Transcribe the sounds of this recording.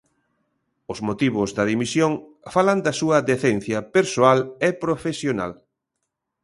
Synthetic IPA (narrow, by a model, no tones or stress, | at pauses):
ʊzmot̪iβ̞ʊzðɐðimisjoŋ | falɐnd̪ɐsuɐðeθenθjɐpeɾsoalepɾofesjona̰l